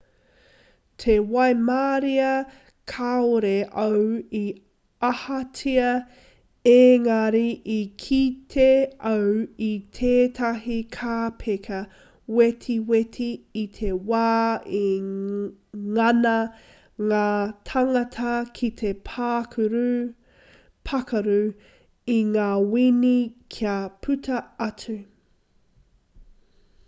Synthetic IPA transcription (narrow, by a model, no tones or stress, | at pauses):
t̪ʰewɐjmaːɾiɐ | kʰaoɾeʔɐwi | ahɐtʰiɐ | eːŋɐɾiʔikʰit̪ʰeɐwit̪ʰeːt̪ʰɐɦikʰaːpʰekʰɐ | wet̪ʰiwet̪ʰiːt̪ʰewaːi | ŋɐnɐ | ŋaːt̪ʰɐŋɐtʰɐkʰit̪ʰe̞pʰakʰuɾu | pʰɐkɐɾʉ | iŋaːwinikʰiapʰʉtʰɐɐt͡sʉ